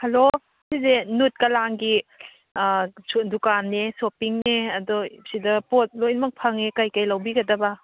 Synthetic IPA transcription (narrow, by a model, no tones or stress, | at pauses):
hɐlo | sizenut̚kɐlaŋɡi | dukanːesopiŋneɐdɔsidɐpɔt̚lojnmɐk̚pʰɐŋekajkajlɐwbiɡɐdɐba